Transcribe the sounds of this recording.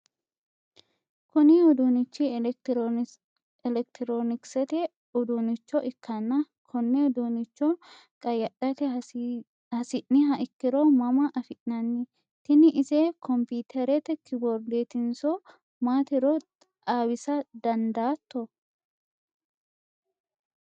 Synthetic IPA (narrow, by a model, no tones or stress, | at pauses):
kʊnɪɔd̪unɪt͡ʃːi | ɛlɛk̚t̪ɪɾoːnɪksɛt̪ɛ | ɔd̪unɪt͡ʃːɔʔɪkːɐnːɐ | kʰɔnːɛɔd̪unɪt͡ʃːɔ | kʼɐjɐɗɐt̪ɛ | hɐsɪʔːɪɦɐʔɪkːɪɾɔmɐmɐʔɐfɪʔːɐnːɪ | t̪ɪnɪʔɪsekɔmpiːt̪ʰɛɾɛt̪ɛkɪbɔɾd̪eːt̪ɪnsɔ | maːt̪ɪɾɔ | aːwɪsɐd̪ɐnd̪aːt̪ːɔ